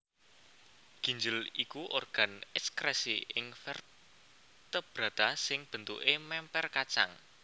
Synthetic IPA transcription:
ɡ̥i̤ɲd͡ʒəlikuʔorɡ̥a̤nɛskɾɛsḭɪŋfɛr | t̪əb̥ɾa̤d̪̥asɪŋb̥ə̤nt̪ṵʔemɛmpɛrkat͡ʃa̰ŋ

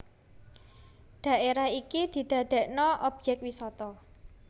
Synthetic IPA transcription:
ɖ̪̥ä̤ʔeɾaikid̪̥i̤d̪̥a̤d̪̥ɛ̤ʔnɔʔɔb̥̚d͡ʒɛk̪̚wisɔt̪ɔ

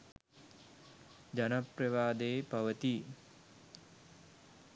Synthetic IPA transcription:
d͡ʒanaprɐʋaːd̪eːpaʋət̪i

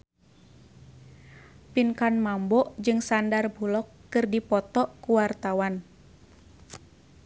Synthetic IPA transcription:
pinkanmambɔʔd͡ʒɨŋsandarbulɔkːɨrdipɔt̪ɔʔkuwart̪awan

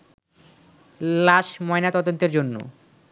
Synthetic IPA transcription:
laʃmɔenat̪ɔd̪ont̪eɾd͡ʑonːo̰

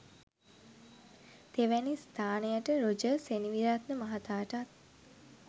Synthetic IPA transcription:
t̪eʋænist̪ʰaːnejəʈəɾod͡ʒəseniʋiɾat̪nəmɐɦat̪aːʈat̪̚

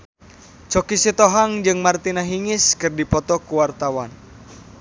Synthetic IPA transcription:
t͡ʃɔkisit̪ɔɦaŋd͡ʒɨŋmart̪inaɦiŋɪskɨrdipɔt̪ɔkuwart̪awan

